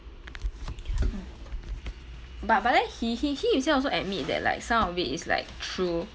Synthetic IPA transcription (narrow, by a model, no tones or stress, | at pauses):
bat̚badɛhihihiisɛ̃ɔlsoʔɛt̚mit̚dɛ̰t̚la̰ɪksãmɔfitḭsla̰ɪk̚tʰɹu